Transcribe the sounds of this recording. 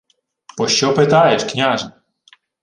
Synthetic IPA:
pɔʃt͡ʃɔpɪt̪ɑjeʃknʲaʒɐ

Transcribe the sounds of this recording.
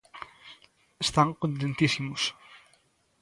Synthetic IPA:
əst̪aŋkõnt̪̬ẽnt̪isimʊs

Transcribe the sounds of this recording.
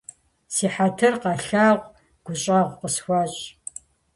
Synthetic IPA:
siːħatʰɨrqɑɬaːʁʷ | ɡ̥ʷʊɕʼɐʁʷqəsxʷɑːɕʼ

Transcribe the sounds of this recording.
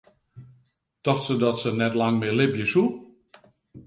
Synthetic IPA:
tɔxtsədɔtsənɛtlaŋmɪlɪbjəsu

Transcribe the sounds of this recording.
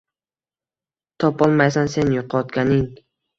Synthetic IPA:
t̪ʰɒpɒlˠmajsanse̞njʊqʰɒt̪ɡʲanɪŋ

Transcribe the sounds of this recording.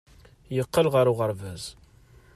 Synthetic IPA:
jəqːəlʁəɾʊʁəɾvæz

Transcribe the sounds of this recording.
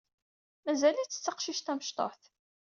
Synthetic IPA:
mæzælit͡sːə̥t͡sːɑqʃiʃt̪æməʃt̪ˤo̰ħθ

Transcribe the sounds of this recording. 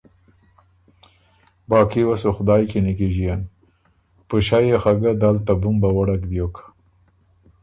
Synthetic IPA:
bɑːkiwasoxʊd̪ɑːjkenikeʒijan | pəʃajexaɡad̪alt̪abʊmbawaɽakbjokʰḁ

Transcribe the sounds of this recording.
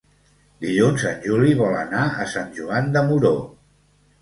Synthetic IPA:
d̪iʎunzənʲʒuliβɔlənaə̰sanʲʒuand̪əmuɾo

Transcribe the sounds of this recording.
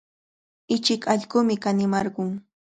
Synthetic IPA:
ɪt͡ʃɪkɑʎɢʊmɪkanɪmɑɾɢʊŋ

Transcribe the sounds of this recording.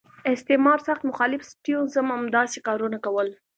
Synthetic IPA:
ɪst̪ɪmɑɾsaxt̪mʊxɑlɪfsʈijonzəmamd̪ɑsekɑɾunakawəl

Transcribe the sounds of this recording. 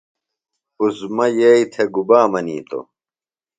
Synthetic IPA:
uzmɐjeit̪ʰeɡubaːmɐniːt̪o̰

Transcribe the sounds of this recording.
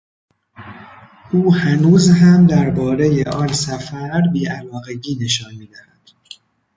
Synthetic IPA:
ʔuːhænuːzɦæmd̪æɾbɒːɾe̞jeʔɒnsæfæɾbiːʔælɒːɣe̞ɟiːne̞ʃɒːnmiːd̪æhæd̪̥

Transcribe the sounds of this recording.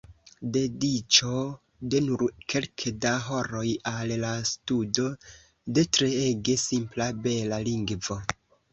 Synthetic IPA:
de̞dit͡ʃo̞ | de̞nuɾkʰe̞lkʰedaɦo̞ɾo̞jallastudo̞ | de̞tɾeeɡe̞simplabe̞laliŋɡvo̞

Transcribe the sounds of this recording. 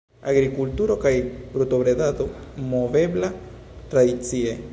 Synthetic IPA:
aɡɾikult̪uɾokajbɾut̪obɾed̪at̪omovebla | t̪ɾad̪it͡sie

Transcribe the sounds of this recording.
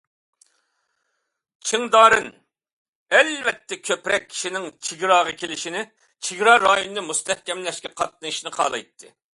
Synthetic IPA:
t͡ʃʰiŋd̪ɑːɾɨn | ɛlvɛt̪ːɛkʲʰøpɾɛkʲʰːi̥ʃinɪŋt͡ʃʰiɡʲɾɑːʁɑkʲʰelɪʃinɪ | t͡ʃʰiɡʲɾɑɾɑːjunɨnɨmust̪ʰɛhkʲɛmlɛʃkʲɛqʰɑt̪̚nɨɨʃnɨqʰɑ̰ːlˠɑ̰jt̪ʰːɨ

